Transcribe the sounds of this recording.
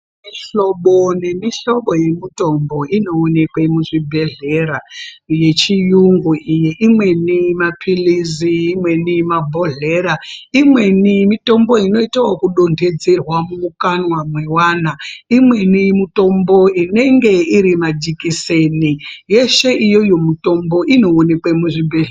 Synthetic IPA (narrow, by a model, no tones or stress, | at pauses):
miɬo̞ɓone̞miɬo̞ɓo̞je̞mito̞mbo̞ino̞ːne̞kwemuʐibʱe̞ɮe̞ɾaje̞t͡ʃijuŋɡuijiʔimwe̞nimapʰiliziːmwe̞nimabʱoɮe̞ɾaimwe̞nimito̞mbo̞ino̞itawokuɗo̞ndʱe̞d͡zerwamuukanwamwewaːnaimwe̞nimuto̞mbo̞ine̞ŋɡe̞iɾimad͡ʒikise̞nije̞ʃe̞ijo̞jo̞muto̞mbo̞ʔino̞ːne̞kwemuʐibʱeɮ